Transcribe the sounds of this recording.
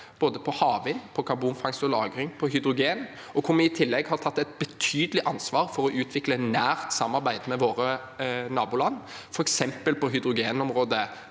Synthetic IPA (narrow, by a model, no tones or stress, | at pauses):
b̥oːd̪əpʰɔhɑːʋɪnpʰɔkʰɑbuːnfɑŋsɔlɑːɡɾɪŋpʰɔɦʏd̪ɾʊɡeːn | ɔkʰʊɾmɛɪt̪ʰɪlːɛɡhɑɾt̪ʰɑt̪ːɛɪt̪̚bət̪ʰyːd̪əlɪʔɑnsʋɑːɾfɔɾɔʔʉːt̪ʰʋɪklənæːɾt̪sɑmːɑɾbæɪd̪mɛʋoːɾə | nɑːbuːlɑnː | fɔɾɛksɛmpəlpɔɦʏd̪ɾʊɡeːnɔmɾoːd̪ə